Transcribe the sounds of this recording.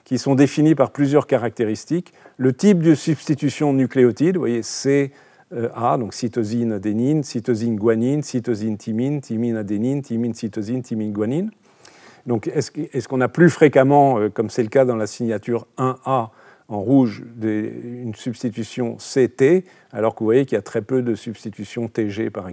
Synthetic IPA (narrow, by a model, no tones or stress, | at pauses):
kʲisɔ̃d̪efinipaʁplyzjœʁkaʁak̚t̪eʁist̪ik | lət̪ip̚d̪əsybst̪it̪ysjɔ̃nykleɔt̪id̪vwa̰jese | ʔad̪ɔ̃ksit̪ɔzinad̪eninsit̪ɔzinɡwaninsit̪ozint̪ʰimint̪ʰiminad̪enint̪ʰiminsit̪ɔzint̪iminɡwanin | d̪ɔ̃kɛskɛskɔ̃naplyfχekamɑ̃økɔmsɛləkad̪ɑ̃lasiɲat̪yʁɛ̃a | ɑ̃ʁuʒd̪eynsyb̥st̪it̪ysjɔ̃set̪e | a̰lɔʁkəvuvwajekiljat̪χɛpød̪əsyb̥st̪it̪ysjɔ̃t̪eʒepaʁɛ